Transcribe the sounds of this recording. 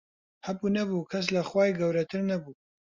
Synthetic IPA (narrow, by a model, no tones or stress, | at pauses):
hɐbunɐbuːkʰɐs̬lɐxwaːjɡɐwɾɐt̪ʰɨɾnɐbu